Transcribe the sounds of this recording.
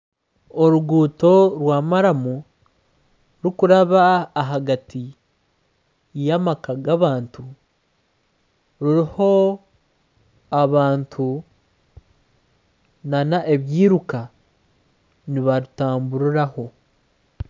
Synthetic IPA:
oɾuɡuːto̞ɾwaːmaɾamu | ɾukuɾaβaːɦaɡati | jamakaɡaβaːntu | ɾuɾiho̞ | aβaːntʰu | nanaʔe̞βjiːɾuka | niβaɾutaːmbuɾiɾaho̞

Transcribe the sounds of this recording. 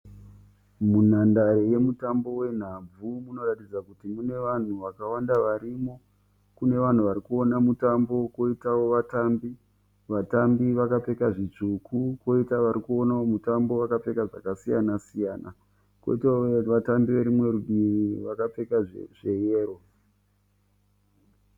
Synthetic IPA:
mun̤andaɾeje̞mutambo̞we̞n̤ab͡vumuno̞ratid͡zakutimune̞ʋan̤uʋakawandaʋaɾimo̞ | kune̞ʋan̤uʋaɾikuo̞namutambo̞ko̞itawo̞ʋatambi | ʋatambiʋakap͡fe̞kaʐit͡ʂukuko̞itaʋaɾikuo̞nawomutambo̞ʋakap͡fe̞kaʐa̰kasijanasijaːna̰ | kwoitaoʋatambiʋe̞ɾimwe̞ruiriʋakap͡fe̞kaʐe̞jeːro̞

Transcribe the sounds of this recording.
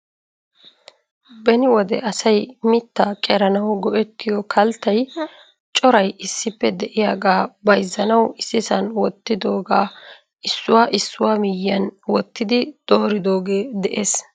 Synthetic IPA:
bɛnɪwɔd̪ɛʔɐsɐjmɪt̪ːakʼɛɾɐnɐwɡɔʔɛt̪ːɪjɔkʰɐlt̪ːɐj | t͡ʃʼɔɾɐjɪsːɪpːɛd̪ɛʔɪjaːɡaːbɐjzːɐnɐwɪsːɪsɐnwɔt̪ːɪd̪o̞ːɡaː | ɪsːʊwaːʔɪsːʊwaːmɪjːɐnwɔt̪ːɪd̪ɪd̪̥oːɾɪd̪o̞ːɡeːd̪ɛʔeːs

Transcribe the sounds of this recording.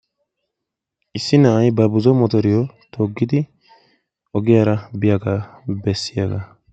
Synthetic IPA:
ʔɪsːɪnɐʔɐjbɐbʊzɔmɔt̪ɔɾɪjɔ | t̪ʰoːɡːɪd̪ɪ | ʔɔɡɪjaɾɐbɪjɐɡɐbɛsːɪjaɡɐ

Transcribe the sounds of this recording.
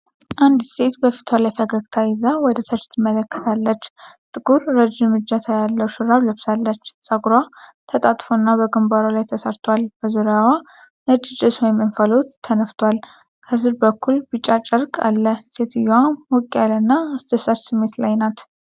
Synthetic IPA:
ʔand̪se̞t̪bəfi̥t̪ʰwalajfəɡəɡt̪ʰajɪzawɔd̪əsʰət͡ʃt̪ʰɨmːələkːə̥t̪ʰalːət͡ʃːt̪ʼɨɡuɾːəd͡ʒɨmɨd͡ʒːat̪ʰajalːəwʃɨɾaβləbsalːət͡ʃːsʼaɡɾwat̪ʰət̪ʼat̪ʼfonːabəɡɨmbaɾolajt̪ʰəsəɾt̪ʰwalb̥əzuɾjawa | nət͡ʃːɪt͡ʃʼːɪswɔjmɨnfəlot̪ʰːənəft̪ʰwal | kʰəzɨɾbəkːulbɨt͡ʃʼːat͡ʃʼəɾkʼa̰lːəse̞t̪ʰɨjwamwɔkʼijalənːaɨst̪ʰəsat͡ʃsɨmːe̞t̪lajnat̪

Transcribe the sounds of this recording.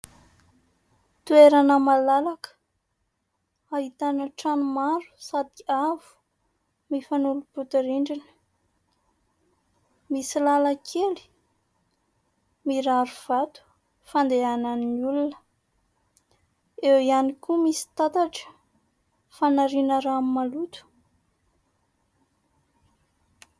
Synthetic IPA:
t̪ueɾanəmalalakə̥ | aɦit̪anəʈ͡ʂanumaɾu̥sad̪iavu̥ | mifanuluput̪iɾiɳɖ͡ʐinə̥ | misilalakʰeli̥ | miɾaɾuv̥at̪u̥ | fand̪eananniulunə̥ | ewianikumisi̥t̪at̪aʈ͡ʂə̥ | fanaɾinəɾamimalut̪u̥

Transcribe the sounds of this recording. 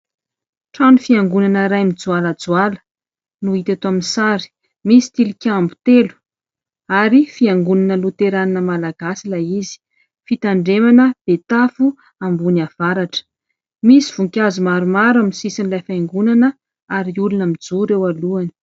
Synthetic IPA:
ʈ͡ʂanufiaŋɡunanəɾajmid͡zualad͡zualə̥ | nuit̪at̪oaminisaɾi̥ | misi̥t̪ilikʲambu̥t̪elu̥ | aɾifiaŋɡunanəlut̪eɾaninəmalaɡasilajizi̥ | fit̪aɳɖ͡ʐemanəb̥et̪afu | ambuniav̥aɾaʈ͡ʂə̥ | misiv̥uŋkʲazumaɾumaɾamnsisinlajfaŋɡunanə | aɾiulunəmid͡zuɾewaluani̥

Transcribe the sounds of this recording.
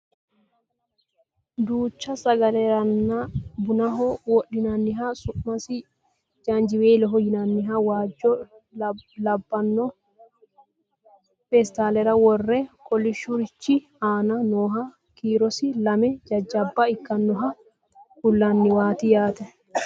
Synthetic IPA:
d̪uːt͡ʃːɐsɐɡɐlɛɾɐnːabʊnɐɦɔwɔɗːɪnɐnːɪɦasʊʔmɐsi | d͡ʒand͡ʒiweːlɛɦɔjɪnɐnːɪɦawaːd͡ʒːɔ | lɐbːɐnːɔ | fɛst̪alɛɾɐwɔrːɛkʼɔliʃuɾɪt͡ʃːi | aːnɐnɔːɦɐ | kiːɾɔsilɐmɛd͡ʒɐd͡ʒːɐbːaɪkːɐnːɔɦɐ | kulːɐnːɪwaːt̪ijaːt̪ɛ

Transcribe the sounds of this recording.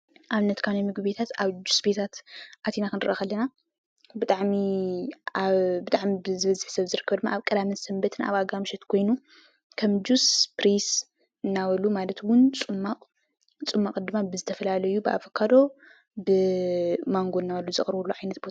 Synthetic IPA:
ʔaβnːɐt̪kʰanamɨɡɨβet̪ʰat̪aβd͡ʒusbet̪ʰat̪ʔat̪ʰenakɨnɨɾɐxɐlːɐna | bɨt̪ʼaʕmi | aβbɨt̪ʼaʕmibɨzɨβɐzɨħsɐβzɨɾɨkʰːɐβd̪ɨmːa̰ʔːβkʼɐd̪amɨsɐmbɐt̪ʰɨna̰βaɡamɨʃɐt̪kʰo̞jnu | kʰɐmd͡ʒuspɾes | ɨnːawɐlumalɐt̪wʊnt͡sʼɨmːaqʼ | t͡sʼɨmːakʼd̪ɨmːabɨzɨt̪ʰɐfɐlalɐjubɨʔa̰fɐkʰad̪o̞ | bɨmaŋɡoɨnːawɐlːuzɨχʼɾɨβulːuʕajnɐt̪̚bo

